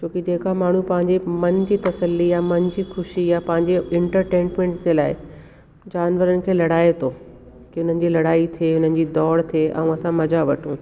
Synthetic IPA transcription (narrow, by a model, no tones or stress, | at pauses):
t͡ɕoːkid͡ʑeːkamaːɳ̤upɐ̃ɦɪ̃ɲd͡ʑemɐnd͡ʑiːt̪ɐsəlːijamɐnd͡ʑiːxʊʃijapɐ̃ɦɪ̃ɲd͡ʑeɪ̃ɳʈəɾʈẽːɳʈmẽɳʈd͡ʑelaːɪ | d͡ʑaːnʋəɾənɪ̆kʰeːlɐɽaːet̪ʰoː | kiʊn̤ənɪ̆d͡ʑiːlɐɽaːit̪ʰieʊn̤ənɪ̆d͡ʑiːd̪ɔːɽt̪ʰieʔɐ̰̃ũɐsãmɐd͡ʑaʋɐʈʰũː